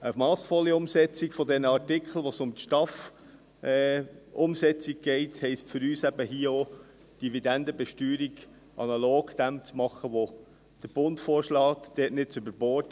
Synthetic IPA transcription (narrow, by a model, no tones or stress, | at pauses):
əmɑːsfɔliʊmsɛt͡sikfɔd̪ɛnəɑɾtɪkχl̩ˠʋɔsʊmt̪ʃtɑf | ʔʊmsɛt͡siɡ̚ɡ̥ɛɪthɛɪstfʏɾyːsæbəɦiəo | d̥ivid̪ɛndəbɛʃtyːɾiɡ | ʔɑ̰nɑloːɡd̪̥æmt͡smɑχəʋo | d̥əɾb̥ʊntfoːɾʃlɑːt̪d̥ɛːtnɪtt͡sʉbəɾbɔːt